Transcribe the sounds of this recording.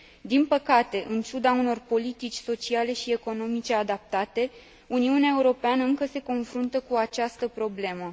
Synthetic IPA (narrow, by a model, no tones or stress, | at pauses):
d̪inpəkat̪e̞ʔɨnt͡ʃud̪auno̞rpo̞lit̪it͡ʃʲso̞t͡ʃiale̞ʃie̞ko̞no̞mit͡ʃe̞ad̪ap̚t̪at̪e̞ | uniuneaeuɾo̞peanəɨŋkəse̞ko̞nfɾunt̪əkuat͡ʃast̪əpɾo̞ble̞mə